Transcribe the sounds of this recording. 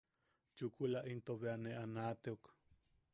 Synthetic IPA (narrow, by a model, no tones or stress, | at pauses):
t͡ʃukulaʔint̪oβeaneʔanaːt̪eok